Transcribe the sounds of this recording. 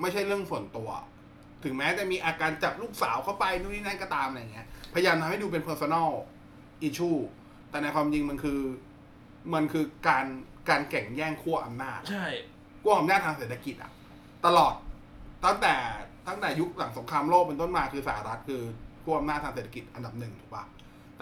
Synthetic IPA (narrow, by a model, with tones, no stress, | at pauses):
ma˥˩jt͡ɕʰa˥˩jɾɯ˥˩əŋsu˨˩˦ənt̪u˧ɐ | t̪ʰɯ˩˦mɛː˦˥t͡ɕɛ˨˩miː˧ʔaː˧kaː˧nt͡ɕa˨˩p̚luː˥˩k̚saː˩˦wkʰa˥˩wpa˧jnu˥˩niː˥˩na˥˩jkɔː˥˩t̪aː˧mʔalja˨˩ŋːi˦˥ɐpʰa˧jjaː˧mt̪ʰa˧mha˥˩jduː˧p̬e˧npʰɤː˧sɔ˧nɔː˥˩w | ʔiː˧t͡ɕʰuː˥˩ | t̪ɛː˨˩na˧jkʰwaː˧mt͡ɕi˧ŋma˧nkʰɯː˧ | ma˧nkʰɯː˧kaː˧n | kaː˧nkɛ˨˩ŋjɛː˥˩ŋkʰu˥˩ɐʔa˧mnaː˥˩t̪̚t͡ɕʰa˥˩j | kʰu˥˩ɐʔa˧mnaː˥˩t̪ʰːaː˧ŋse˨˩t̪ːʰa˧ki˨˩t̪̚ʔa̰˨˩ʔ | t̪a˧lɔː˨˩t̪̚ː | a˥˩ŋt̪ɛː˨˩t̪a˥˩ŋt̪ɛː˨˩ju˦˥k̚la˨˩˦ŋso˩˦ŋkʰɾaː˧mloː˥˩k̚pe˧nt̪o˥˩nmaː˧kʰɯː˧saː˩˦ɾa˦˥t̪̚kʰɯː˧kʰu˥˩ʔa˧mnaː˥˩t̪ʰːaː˧ŋseː˨˩t̪ʰa˧ki˨˩t̪̚ʔa˧nda˨˩p̚nɯ˨˩ŋt̪ʰuː˨˩k̚ba̰˨˩ | t̪